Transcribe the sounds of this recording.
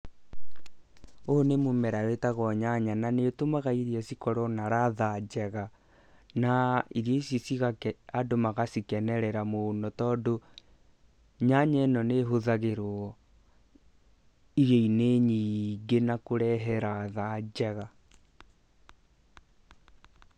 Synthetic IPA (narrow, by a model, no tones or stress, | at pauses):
onemomɛɾaɾetaɣɔɲaɲananetomaɣaiɾjɛsikɔɾɔnaɾaðad͡ʒɛɣa | naiɾjɔisisiɣakɛadomaɣasikɛnɛɾɛɾamonɔtɔːdo | ɲaɲɛnɔneɦoðaɣeɾo | iɾjɔineɲiːŋɡenakoɾɛɦɛɾaːðad͡ʒd͡ʑɛɣa